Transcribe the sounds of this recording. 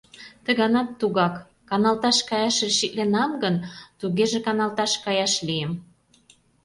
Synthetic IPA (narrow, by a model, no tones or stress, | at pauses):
t̪əɣɑnɑt̪ːuɣɑkː | ɑnɑlt̪ɑʃkɑjɑʃeʃit̪lenɑmɡənt̪uɣeʒekɑnɑlt̪ɑʃkɑjɑʃliəm